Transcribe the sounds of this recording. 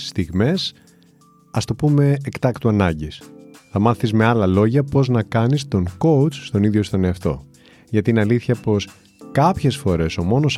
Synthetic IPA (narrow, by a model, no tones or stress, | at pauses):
st̪iɣme̞s | ɐst̪o̞pume̞ːkt̪ɐkt̪uɐnɐɲɟisθɐmɐθizme̞ɐlɐlo̞ʝɐpo̞znɐkɐnist̪o̞ŋko̞wt͡sst̪o̞niðʝo̞st̪oneɐft̪o̞̰ | ʝɐt̪ineɐliθçɐpo̞s | kɐpçe̞sfo̞ɾe̞so̞mo̞no̞s